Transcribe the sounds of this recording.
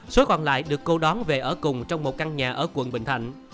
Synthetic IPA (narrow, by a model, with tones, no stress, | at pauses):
so˨˦jkɔ˧˩nla̰ː˧˨jɗɨ˨˩əkːo˧ɗɔ˨˦nve˨˩ʔəː˧˩kʊ˨˩ŋ͡mt͡ɕɔ˧wŋ͡mmo˨˩t̚ka˧nɲaː˨˩ʔəː˧˩kwə̰˧˨nɓï˧˨ŋ̟t̪ʰa̰˧˨jŋ̟